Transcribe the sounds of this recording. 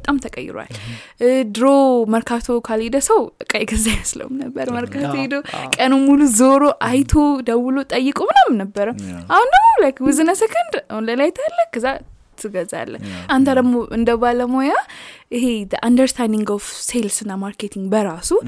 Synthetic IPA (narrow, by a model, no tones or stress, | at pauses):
bbət̪ʼamt̪ʰəkʼə̰jːɪ̰ɾwa̰l | d̪ɨɾoməɾkʰat̪ʰokʰaled̪əsəwɨkʼəjɡəzajəslə̰wumnəbːəɾməɾkʰat̪ʰoed̪okʼənumuluzoɾoʔajt̪ʰod̪əwɨlot̪ʼəjːɨkʼomɨnamnəbːəɾəmʔahundəmlajkwɨzɨnəsəkʰɨnd̪ahunləlajt̪ʰalːəkʰːəzːa | t̪ʰɨɡəza̰lːə̰hant̪ʰad̪əɡmoʔɨnd̪əβaləmojaʔɨɦe̞d̪əʔand̪əɾst̪ʰajniŋɡofse̞lsɨnːamaɾket̪ʰiŋɡbəɾasu